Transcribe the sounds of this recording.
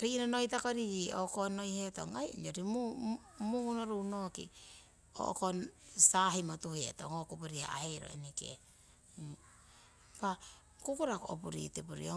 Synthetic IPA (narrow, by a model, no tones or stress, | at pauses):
ɾinonojtakoɾiio̰kono̞jheto̰ŋajɲoɾimu | muŋunoɾunokḭ | o̰ʔkonsaɦimotuhetoŋokupuɾiha̰a̰he̞jɾo̰ḛnikḛ | pa | kukuɾakoʔo̰puɾḭtepuɾḭo